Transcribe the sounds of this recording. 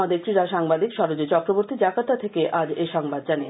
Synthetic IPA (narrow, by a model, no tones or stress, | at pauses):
ad̪eɾt̪ɾiɾaʃaŋbad̪ikʃɔɾod͡ʑot͡ɕɔkɾoboɾt̪id͡ʑakat̪at̪ʰekeʔad͡ʑeʃɔŋbad̪̚d͡ʑane